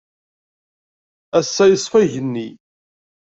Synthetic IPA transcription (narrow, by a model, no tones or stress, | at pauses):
æsːæjəsˤfæʝənːi